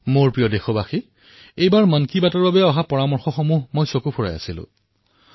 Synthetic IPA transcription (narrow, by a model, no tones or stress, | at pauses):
moɹpɹijɔdexɔbaxi | ejbaɹmankibatɔɹbabɛɔɦapɔɹamɔɹxɔxɔmuɦmojsokupʰuɹa̰ja̰silʊ̰̃